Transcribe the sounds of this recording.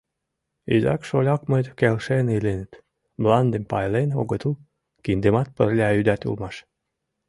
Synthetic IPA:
ḭzɑ̰kʃolʲɑkmət̪ʲkelʃenilenɘt̪ | blɑnd̪empɑjleno̰ɣət̪ul | kind̪emɑt̪̚pərlʲɑyd̪ʲæt̪ṵlmɑʃ

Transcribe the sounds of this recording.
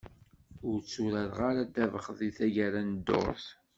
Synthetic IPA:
ʊɾt͡sːʊɾæɾʁaɾad̪ævəχðˤiθæʝæɾænd̪o̰ɾˤθ

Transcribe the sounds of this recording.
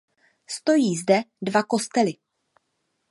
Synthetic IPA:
st̪o̞jiːzdɛdvako̞st̪ɛlɪ

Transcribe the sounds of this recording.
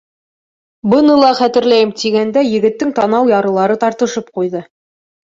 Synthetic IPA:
bɤ̆nɤlˠɑχæt̪ɘ̆ɾlæjɘmt̪iɡænd̪æjɘ̆ɡɘ̆t̪ːɘŋt̪ɑnɑwjɑɾɤ̆lˠɑɾɤt̪ɑɾt̪ɤ̆ʃɤp̚qujðɤ

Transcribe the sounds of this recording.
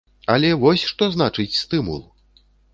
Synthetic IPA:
ɐlʲɛvɔsʲʂt̪ɔznat͡ʂɨt͡sʲst̪ɨmṵlˠ

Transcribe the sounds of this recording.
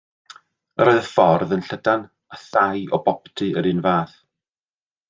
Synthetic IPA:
əɾoːɨðəfɔrðənɬədan | aθajʔɔbɔptʰɨəɾɨnvaːθ

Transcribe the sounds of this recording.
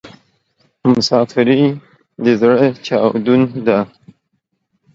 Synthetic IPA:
mʊsɑːfɪɾi | d̪əzɽət͡ʃɑwd̪und̪a

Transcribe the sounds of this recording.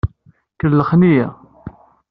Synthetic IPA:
kəlːəχnijæ

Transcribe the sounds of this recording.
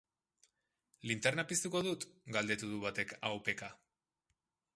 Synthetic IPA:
lint̪eɾnapist̪uko̞ðut̪ɡald̪e̞t̪uðuβat̪e̞ka̰wpe̞ka

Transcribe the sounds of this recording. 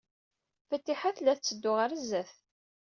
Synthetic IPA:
fət̪ːiħaθlæθt͡sːəd̪ːʊʁəɾəzːæθ

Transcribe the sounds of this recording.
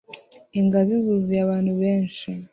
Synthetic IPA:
iŋɡazizuːzijaβaːnduβeːnʃi

